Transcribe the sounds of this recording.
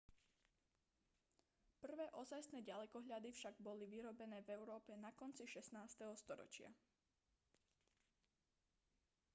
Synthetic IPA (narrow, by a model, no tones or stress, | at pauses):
pr̩ʋɛːʔɔzajsnɛɟalɛkɔɦʎad̪ifʃaɡbɔliʋiɾɔbɛnɛːvɛʊɾɔːpɛnakɔnt͡siʃɛsnaːst̪ɛɦɔst̪ɔɾɔ̰t͡ʃɪa̰